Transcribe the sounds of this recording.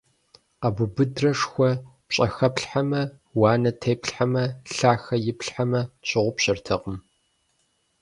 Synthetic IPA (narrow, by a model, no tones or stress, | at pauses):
abʊbɨdrɐʂxʷɔpɕʼɐxɐpɬħamɐ | wɑːnɐtʰeːpɬħamɐɬaːxɐjɪpɬħamɐɕʼɪʁʷʊpɕɪrtʰɐqʼəm